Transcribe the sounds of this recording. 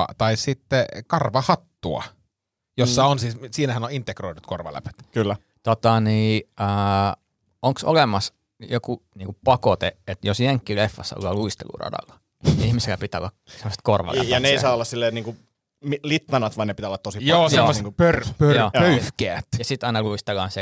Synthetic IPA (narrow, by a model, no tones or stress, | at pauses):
ɑ̰t̪ɑissit̪ːekɑrʋɑhɑt̪ːuɑ̰ | josːɑonsiːssiːnæhænoint̪ːekroinut̪korʋɑ̰læ̰pø̥t̪kylːæ | t̪ot̪ɑniːəː | oŋkso̰lemˑɑs | jokuniːŋkuppɑkot̪eʔet̪josjeŋkːilefːɑ̰sːɑo̰lːɑluist̪ḛlṵrɑ̰dɑ̰lːɑ̥ | iihmiselːæpit̪ːæo̰lːɑksemːˑose̥t̪̚korʋɑ̰læ̰jɑneeˑisɑːolːɑssilːeːniːŋku | milit̪ːɑnɑt̪ʋɑinnepit̪æolːɑt̪t̪osijoːsjemːoseŋupørpøjːøyhkeːt̪jɑsit̪ɑinɑluist̪elɑːnse